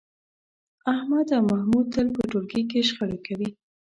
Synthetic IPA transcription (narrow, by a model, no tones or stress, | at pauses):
ahmad̪awmahmud̪̚t̪ːəlpəʈolɡik̬eʃxəɽekawi